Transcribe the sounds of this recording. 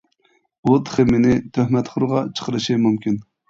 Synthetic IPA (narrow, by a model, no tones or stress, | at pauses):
ut̪ʰχemɪnɪt̪ʰøhmɛt̪χʊɾʁɑt͡ʃʰə̥qəɾɨʃimumkʲin